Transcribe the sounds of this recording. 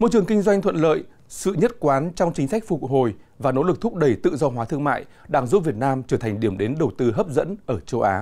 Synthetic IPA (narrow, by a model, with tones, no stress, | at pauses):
mo˧˥jt͡ɕɨ˨˩əŋkï˧ŋzwa˧jŋ̟t̪ʰwə̰˧˨nlə̰ː˧˨j | sɨ̰˧˨ɲə˦˥t̚kwaː˨˦nt͡ɕɔ˧wŋ͡mt͡ɕï˦ŋ̟sa˦˥k̟̚fʊ˨˩k̚ho˨˩j | vaː˨˩no̰˧˥lɨ˨˩k̚t̪ʊ˦˥k͡p̚ɗə˧˩jt̪ɨ̰˧˨zɔ˧ɦwaː˨˦t̪ʰɨ˧əŋma̰ː˧˨j | ɗaː˧ŋzu˦˥p̚vi˨˩ət̚naː˧mt͡ɕəː˧˩t̪ʰa˨˩ŋ̟ɗi˧˩əmɗe˨˦nɗə˨˩wt̪ɨ˧ɦəː˦˥p̚zə̰˧˥nʔəː˧˩t͡ɕə˧wʔaː˨˦